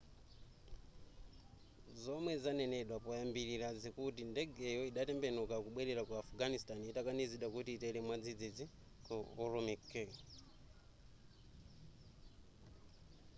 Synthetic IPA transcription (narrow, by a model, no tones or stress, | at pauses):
zomwezaneneɗwapojambililazikutindeɡejoiɗatɛmbenukakuɓweɾeɾakwaafuɡanistaniitakaniziɗakutiːtelemwad͡zid͡zid͡zi | kuːɾumikːe